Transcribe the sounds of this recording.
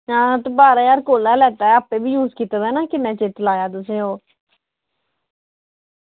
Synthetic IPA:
ãːt̪ebaːɾaːjaːɾkoːlaːlɛːt̪aːɛəpeːbiːjuːzkiːt̪ad̪ɛːnaːkɪnẽːt͡ʃeːt̪əlaːjaːt̪ʊsẽːɦoː

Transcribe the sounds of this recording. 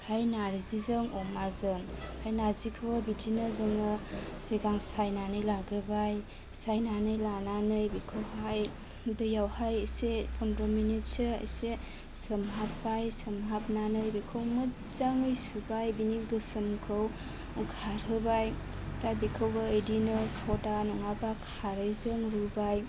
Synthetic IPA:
hajnaɾzizɯŋɔmazɯŋhajnaɾzikʰɯwabidʰinazɯŋɯsiɡaŋsajnanɯjlaɡɾɯbaj | sajnanɯjlananɯjbikʰəwɦaj | dɯjawhajəjsepʰɔndɔminit̚seə̰jse | səmɦap̚bajsəmɦap̚nanɯjbikʰəwmɯ | zaŋɯjsubajbiniɡɯsəmkʰəw | kʰaɾhɯbaj | pajbikʰəwbaːjdinɯsɔtanɔŋabakʰaɾɯjzɯŋɾubaj

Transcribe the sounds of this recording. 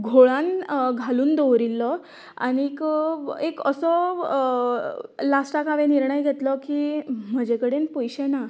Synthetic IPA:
ɡʱoɭanɡʱaluːnd̪oʋɾilːɔ | a̰nikekəsɔ | lasʈakaʋeniɾɳəjɡʱet̪lɔkiːm̤əd͡ʑekəɽenpojɕena

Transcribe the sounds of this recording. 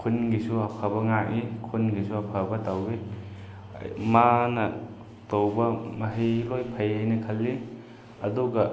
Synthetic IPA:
kʰunɡisuɐpʰabɐŋaʔikʰunɡisuɐpʰabɐtawḭ | manɐ | towbɐmɐɦijlojpʰɐjɦajnɐkʰɐlːi | ɐduɡɐ

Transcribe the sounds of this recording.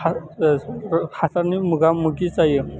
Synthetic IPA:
a | hasaɾnimuɡamuɡit͡saje

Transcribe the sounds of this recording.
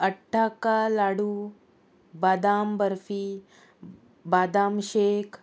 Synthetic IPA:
ɐʈʰːakalaːɽu | baːd̪aːmbɐɾfi | baːd̪aːmʃeːk

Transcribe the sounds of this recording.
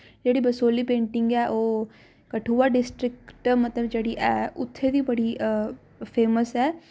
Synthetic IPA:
d͡ʒeːɽibəsoːlipẽːɳʈɪ̃ŋɡɛʔoː | kɐʈʰuːaɖɪsʈɾɪkʈmɐt̪ləbd͡ʒeːɽiʔɛːʔʊt̪ʰːed̪ibɐɽi | pʰeːməsɛː

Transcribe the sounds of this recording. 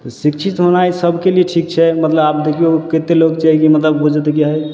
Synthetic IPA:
t̪sikt͡ʃʰit̪ɦonajsəbʱkelieʈʰik̚t͡ʃʰɛmət̪ləbap̚d̪ekʰioket̪eloɡt͡ʃaɦikimət̪ləbbud͡ʒʱət̪ekiɦəj

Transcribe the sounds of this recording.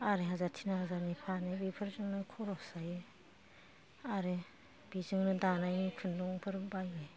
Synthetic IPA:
aɾeɦazatʰinahazaɾnipʰanebipʰɯɾzɯŋnɯkʰɔɾɔsaje | aɾe | b̥izɯŋnɯdanajnikʰɯnduŋpʰɯɾbajbe

